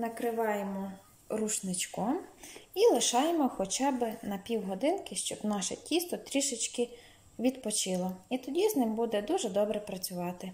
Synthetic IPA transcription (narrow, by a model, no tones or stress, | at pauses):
nɐkɾɪʋɑjemɔ | ruʃnɪt͡ʃkɔmilˠɪʃɑjemɔxɔt͡ʃɑbɪnɐpʲiwɦɔd̪ɪnkɪʃt͡ʃɔbnɑʃɛ̰tʲist̪ɔt̪ɾʲiʃɪt͡ʃkɪ | ʋʲid̪pɔt͡ʃɪlˠɔit̪ɔdʲiznɪmbud̪ɛd̪uʒɛd̪ɔbɾɛpɾɐt͡sʲʊʋɑt̪ɪ